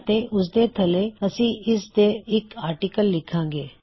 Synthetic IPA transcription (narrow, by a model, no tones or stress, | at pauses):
t̪eʔʊs̬d̪et̪ʰəleəsĩɪsd̪eɪkaːɾʈikəlːɪkʰãːŋɡeː